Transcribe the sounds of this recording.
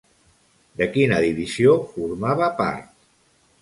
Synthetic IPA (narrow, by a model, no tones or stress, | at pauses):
d̪əkinəðiβizjofuɾmaβapa̰ɾt̪̚